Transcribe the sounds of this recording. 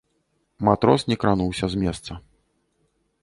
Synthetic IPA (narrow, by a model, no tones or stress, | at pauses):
mat̪ɾɔsnʲɛkɾanuwsʲɐzʲmʲɛst̪sɐ